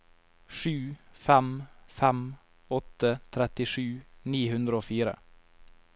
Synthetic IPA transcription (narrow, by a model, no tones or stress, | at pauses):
ʂʉːfɛmfæm | ɔt̪ət̪ʰɾɛt̪ɪʂʉːniːhʉnd̪ɾəoːfiːɾə̰